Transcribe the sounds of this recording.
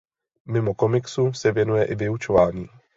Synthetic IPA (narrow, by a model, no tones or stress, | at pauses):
mɪmokomɪksusɛvjɛnujɛʔɪvɪut͡ʃovaːɲiː